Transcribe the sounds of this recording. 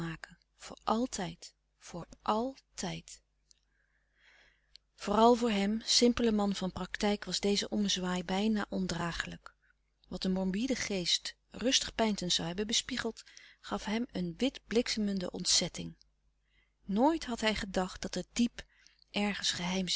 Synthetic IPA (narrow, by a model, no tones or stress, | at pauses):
aːkə | v̥ʊ̰ːɹʔɑlˠtʰɛjt | fʊːɹʔɑlˠtɛjt | v̥ʊːrɑlˠvʊːɹɦɛmsɪmpələmɑnvɑnprɑktɛjkʋɑzdejzəʔɔməzʋaːjbɛjnaːʔɔndraːχələk | ʋɑt̚dəmɔɹbidəχejst | rɵstəχpɛjntənz̥ɑwɦɛbənbəspiχəlˠtχɑfɦɛmənʋɪdblɪksəməndə̰ʔɔ̰ntsɛtɪŋ | noːjtɦɑtɦɛjχədɑχt̚dɑtət̚dip | ʔɛɹχənsχəɦɛjm